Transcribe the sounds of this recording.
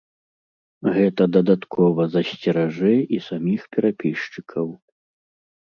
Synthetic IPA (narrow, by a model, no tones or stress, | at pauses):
ɣɛt̪ɐd̪ɐd̪at̪kʰɔvɐzɐsʲt͡sʲɛɾaʐɛisamʲixpʲɛɾapʲiʂt͡ʂɨkʰɐw